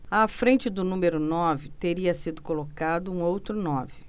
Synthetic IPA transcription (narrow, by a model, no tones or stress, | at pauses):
afɾẽnt͡ʃɪd̪ʊnũmeɾʊnɔvɪt̪eɾiɐsid̪ʊkolokad̪ʊũowt̪ɾʊnɔvɪ